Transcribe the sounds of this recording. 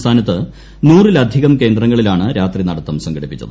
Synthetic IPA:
t̪ʰaːnɐt̪ːɨ | nuːrilɐd̪ʱiɣɐmke̞ːnd̪rɐŋːɐɭilaːɳɨɾaːt̪rinɐɽɐt̪ːɐmsɐŋɡɐɽipːit͡ɕːɐ̰ðɨ

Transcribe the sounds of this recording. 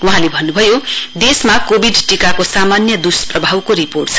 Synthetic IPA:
uɦãlebʱʌnːubʱʌjod̪esmakobʱiɖʈikakosamanjʌd̪usprʌbʱawkoɾiporʈt͡sʰʌ̥

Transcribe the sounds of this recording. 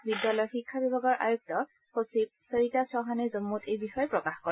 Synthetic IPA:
bidjalɔjɔxikʰːabibʱaɡɔɹʔa̰juk̚tɔ | posib̚seɹitasɹɔɦanɛzomːutejbixɔjɔpɹɔkaxkɔ

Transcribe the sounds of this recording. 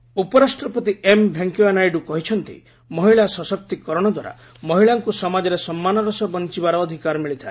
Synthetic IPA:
upɔɾasʈɾɔpɔt̪iʔembʱjaŋkjuanajɖukɔɦit͡ʃʰɔnt̪ḭ | mɔɦiɭasɔsɔk̚t̪ikɔɾɔɽ̃ɔd̪waɾa̰ | mɔɦiɭaŋkusɔmad͡ʒɔɾesɔmːanɔɾɔsɔbɔnt͡ʃibaɾɔːd̪ʱikaɾɔmiɭit̪ʰae

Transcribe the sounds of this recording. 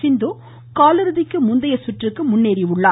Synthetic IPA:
sɪnd̪o | kaːlɯɾɯðɪkːɯmʊnd̪ɐjɐsʊʈrɯkːɯmʊnːeːɾiʊɭːaː

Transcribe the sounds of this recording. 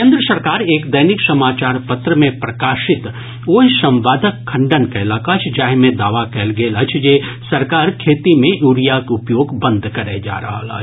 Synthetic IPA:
ẽːnd̪ɾəsɐɾkaːɾeːkd̪ɐjnɪksɐmaːt͡ʃaːɾpɐt̪ɾəmẽpɾɐkaːʃɪt̪ | oːjsɐ̃mʋaːd̪ʱəkʰːɐ̃ɳɖənkaɪlaːkat͡ʃʰd͡ʒaːɦmẽd̪aːʋakɛːlɡeːlɐt͡ʃʰd͡ʒeː | sɐɾkaːɾkʰeːt̪imẽʔuːɾijakʊpjoːɡbɐ̃nd̪ʱkɐɾed͡ʒa̰ːɾɐ̰ɦa̰a̰ː

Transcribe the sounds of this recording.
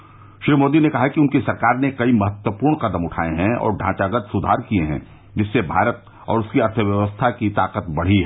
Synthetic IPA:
ʃɾiːmoːd̪inekɐɦakiʊnkisɐɾkaːɾnekɐimɐɦət̪wəpuːɾɳqɐd̪əmʊʈʰa̰ːeɦɛ̃ɔ̰ːɾɖʱã̰ːt͡ʃaɡət̪sʊd̪ʱaːɾkieɦɛ̰̃ | d͡ʒɪsːebʱaːɾət̪̚ | ɔ̰ːɾʊskiɐɾt̪ʰəʋjɐʋəst̪ʰakit̪aːqət̪bɐɽ̤iɦɛ

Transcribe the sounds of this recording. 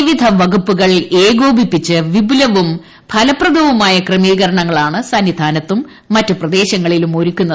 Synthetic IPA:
iʋid̪ʱɐʋɐɡupːuɣɐɭeːɡo̞ːbʱipːit͡ɕːɨʋibulɐʋum | pʰɐlɐprɐd̪ʱɐʋumaːjɐkrɐmiːɣɐɾɐɳɐŋːɐɭaːɳɨsɐnːid̪ʱaːnɐt̪ːumː | ɐtːɨprɐd̪e̞ːɕɐŋːɐɭilumo̞ɾukʲːunːɐ

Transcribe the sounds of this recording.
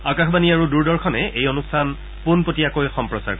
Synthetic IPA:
akaxbaniaɹuduɹdɔɹkʰɔnɛejonustʰan | punpotiakojxɔmpɹɔsa̰ɹk

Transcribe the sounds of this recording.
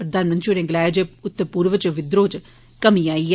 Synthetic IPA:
pɾəd̪aːnmənt͡ʃuːɾẽːɡɪlaːd͡ʒeʊt̪ːəpuːɾʋət͡ʃʋɪd̪ɾoːt͡ʃ | kəmĩːaːiː

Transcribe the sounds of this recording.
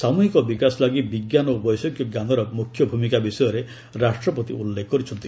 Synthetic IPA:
samuɦikɔbikasɔlaɡibiɡjanobɔjsɔkjɔɡanɔɾɔmukʰjɔbʱumikabisɔjɔɾe | ɾasʈɾɔpɔt̪iulːekʰkɔɾit͡ʃʰɔnt̪i̥

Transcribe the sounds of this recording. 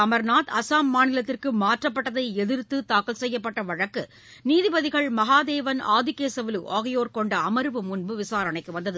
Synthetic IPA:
ɐmɐɾnaːt̪ɐsaːmːaːnɪlɐt̪ːɪrkɯmaːʈrɐp̬ːɐʈːɐðɐɪɛðɪɾt̪ːɯt̪aːkɯlsɛjːɐpːɐʈːɐʋɐɻɐkːɯ | niːðɪbɐðɪɣɐɭmɐɦaːd̪eːʋɐna̰ːðɪkeːsɐʋɪlɯʔaːɣɐjoːɾkɔɳɖɐɐmɐɾʋɯmʊnbɯʋɪsaːɾɐnɐɪkːɯʋɐnd̪ɐðɯ

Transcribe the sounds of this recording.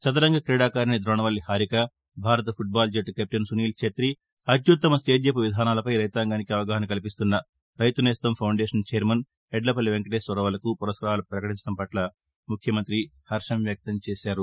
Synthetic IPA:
sɐt̪ɐɾɐŋɡɐkɾɛːɽaːkaːɾinid̪ɾɔːɳɐʋɐlːihaːɾikɐ | bʱaːɾɐt̪̬ɐpʰuʈ̚baːld͡ʒɐʈkep̚ʈɐnsuniːlt͡ʃʰet̪ɾi | ɐd̪jut̪ːɐmɐst̪eːd̪jɐpuʋid̪ʱaːnaːlɐpɐjɾɐjt̪aːŋɡaːnikiɐʋɐɡaːɦɐnɐkɐlipist̪unːɐ | ɾɐjt̪uneːst̪ɐmpʰɐwɳɖeːʂɐnt͡ʃejɐɾmɐn | ɛɖlɐpɐlːiʋeŋkɐʈeːsʋɐɾɐʋɐlɐkupuɾɐskɾaaːlɐpɾɐkɐʈiɲt͡ʃɐɽɐmpɐʈlɐ | mukʰjɐmɐnt̪ɾi | hɐɾʂɐmʋjɐk̚t̪ɐmt͡ʃeːʃaːɾu

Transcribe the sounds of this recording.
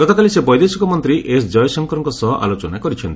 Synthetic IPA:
ɡɔt̪ɔkalisebɔjd̪esikɔmɔnt̪ɾiʔesd͡ʒɔjɔsɔŋkɔɾɔŋkɔsɔɦɔʔa̰lot͡ʃɔnakɔɾit͡ʃʰɔnt̪i̥

